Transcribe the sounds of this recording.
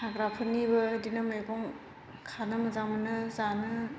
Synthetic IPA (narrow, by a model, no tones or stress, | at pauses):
aɡɾapʰɯnːibɯːdinɯmɯjɡɔŋ | kʰanɯmɐzaŋmɯnɯzanɯ